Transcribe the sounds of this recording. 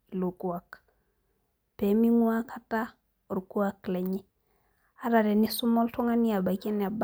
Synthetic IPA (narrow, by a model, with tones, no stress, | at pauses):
i˨lo˨ku˨ak | pe˨mi˦ŋu˦a˦kʰa˦ta˦˨ | ɾu˨ku˦a˦kle˨ɲi˦ | a˦ɾa˨ɾɛ˨ni˦su˦mo˦lto˦ŋa˦ni˦a˨ba˨ke˦n˨a˨b